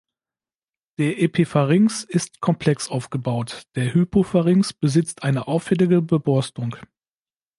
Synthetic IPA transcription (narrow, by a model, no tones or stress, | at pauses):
d̥eːɐʔepʰefaʁɪŋsɪstkʰɔmpʰl̥ɛksʔaʊfɡ̥əbaʊtd̥eːɐhypʰofaʁɪŋsb̥əzɪt͡stʔaɪnəʔaʊfɛlɪɡəbəbɔɐstʊŋk